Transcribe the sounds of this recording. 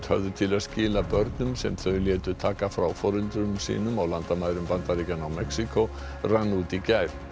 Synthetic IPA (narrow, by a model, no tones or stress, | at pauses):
t̪hœ̰vðʏt̪ʰɪlaðscɪːlapœɾt̪nʏmsɛmθœɥljɛːt̪ʏt̪ʰaːkafɾawfɔɾɪlt̪ɾʏmsḭːnʏmawlant̪amaːjɾʏmpant̪aɾiːcanawmɛksikʰo | ranːuːt̪icajɾ̥